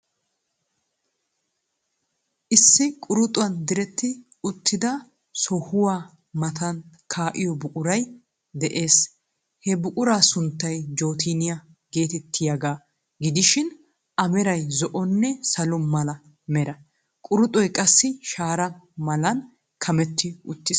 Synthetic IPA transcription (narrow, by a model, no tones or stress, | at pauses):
ʔɪsːɪkʼʊɾʊt̪ʼʊwɐnd̪ɪɾɛt̪ːɪ | ʊt̪ʰːɪd̪ɐ | sɔhʊwaː | mɐt̪ʰɐn | kʰaːʔɪjɔbʊkʼʊɾɐj | d̪ɛʔeːs | hɛbʊkʼʊɾaːsʊnt̪ːɐjd͡ʒo̞ːt̪ʰiːnɪjɐ | ɡe̞ːt̪ɛt̪ʰːɪjɐɡaː | ɡɪd̪ɪʃɪn | ɐmɛɾɐjzɔʔɔnːɛsɐlʊmɐlɐ | mɛɾɐ | kʼʊɾʊt̪ʼɔjkʼɐsːɪʃaːɾɐmɐlɐn | kʰɐmɛt̪ːɪʊt̪ːɪs